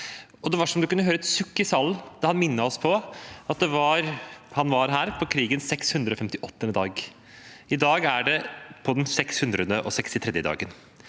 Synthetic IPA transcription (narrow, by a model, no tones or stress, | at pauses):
ɔd̪ɛʋɑʂɔmd̪ʉkʉnːəɦøːɾəɛt̪sʉkːəsɑlːd̪ɑhɑnmɪnːəɔspʰɔɑt̪̚d̪ɛʋɑɾhɑnʋɑɾɦæːɾpʰɔkʰɾiːɡənsɛkshʉnd̪ɾəɔfɛmt̪ɪʔɔt̪ːəɛnd̪ɑːɡ | ɪd̪ɑːɡæɖɛpʰɔd̪ɛnsɛkshʉnd̪ɾəd̪əʔɔ̰sɛkst̪ɪt̪ʰɾɛd̪jəd̪ɑ̰ːɡən